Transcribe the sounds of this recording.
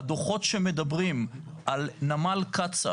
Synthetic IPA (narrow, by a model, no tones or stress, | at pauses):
d̪oχo̞tʃemed̪abʁim | ʔalnamalkat͡sa̰